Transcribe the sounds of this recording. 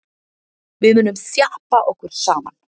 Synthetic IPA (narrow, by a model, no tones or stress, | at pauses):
vɪðmʏnʏmsjahpaʔɔhkʏɾ̥saːma̰n